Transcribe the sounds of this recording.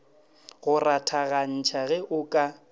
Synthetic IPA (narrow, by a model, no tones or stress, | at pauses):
ɣʊratʰaɣan̩t͡ʃʰaɣɛʔʊkʼa